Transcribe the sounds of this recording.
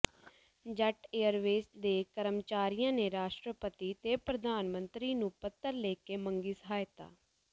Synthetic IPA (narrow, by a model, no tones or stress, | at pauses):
d͡ʒɛʈeːəɾʋeːsd̪eːkəɾəmt͡ʃaːɾijãːneːɾaːʃʈɾəpət̪iːt̪eːpɾəd̪aːnmənt̪ɾiːnũːpət̪ːəɾleːkeːməŋɡiːsəɦaːjt̪a̰ː